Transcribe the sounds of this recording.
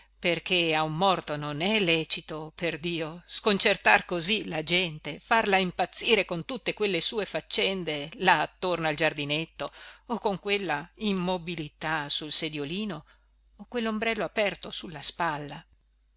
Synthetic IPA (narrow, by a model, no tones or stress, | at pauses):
perk̟eaumːɔrt̪ononɛlːɛːt͡ʃit̪operd̪iːoskont͡ʃert̪arkozilad͡ʒɛnt̪efarlaimpat̪sːiːɾekont̪ut̪ːekwelːesuːefat͡ʃːɛnd̪elaːt̪ːornald͡ʒard̪inet̪ːoːkoŋkwelːaimːobilit̪asulsed̪joliːnoː | kwelːombɾɛlːoapɛrt̪osulːaspalːa